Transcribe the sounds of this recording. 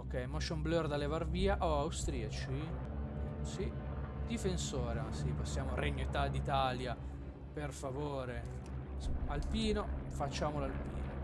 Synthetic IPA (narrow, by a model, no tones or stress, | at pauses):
okːɛjmɔʃomblørd̪alevarviːaʔoawst̪ɾiat͡ʃi | sid̪̥ifensoːɾemasiposːjaːmoɾeɲːoit̪ad̪it̪aːlja | perfavoːɾe | salpiːnofat͡ʃːaːmolalpḭːno